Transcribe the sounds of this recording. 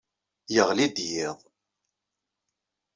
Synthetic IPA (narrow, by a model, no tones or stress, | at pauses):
jəʁlid̪jiðˤ